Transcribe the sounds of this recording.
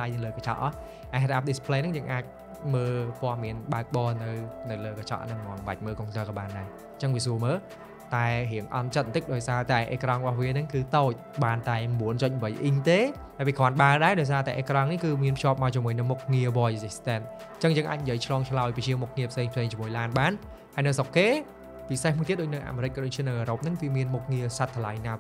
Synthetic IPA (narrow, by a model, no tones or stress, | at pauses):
lajnɨwləːkat͡ɕɑ̰ʔ | ʔarʔap̚ɗispʰleːnɨŋjəːŋʔaːc̚ | məːpŏəhmiənɓaək̚ɓɑːnɨwnɨwləːkat͡ɕɑ̰ʔnɨŋmɔ̆əmʋa̰c̚məːkoːŋsəːkɑːɓaːnɗaɛ | t͡ɕəŋʋiəsuəməːl | t̪aɛɦiəŋʔɑ̰nt͡ɕət̪̚nt̪ɨk̚ɗaɔjsaːt̪aɛʔeːkrɑŋrəɓɑhʋiənɨŋkɨːt̪oːc̚ɓaːnt̪aɛmɓuənt͡ɕoc̚mʋəjʔiɲt̪eː | haɛpikʰoɔanɓaːlɗaɛɗaɔjs̬aːt̪aɛʔeːkrɑŋnihkɨːmiənpʰt͡ɕjŏəp̚maɔt͡ɕumuəjnɨŋmuk̚ŋiəʋɔjsist̪ɛn̚ | t͡ɕəŋjəːŋʔaːc̚njiəjt͡ɕʰlɑːŋt͡ɕʰlaɔjpit͡ɕiəmʊk̚ŋiəpʰseːŋpʰseːŋt͡ɕimuəjlaːnɓaːn | haəjnɨwsokːeː | pisehmuət̪iət̪̚ɗoːc̚nɨŋʔa̰ːmeːɾɨc̚kːɗoːc̚t͡ɕʰiənɨwʔəːɾop̚nɨŋkɨːmiənmuk̚ŋiəsat̪ʰːəlajnaː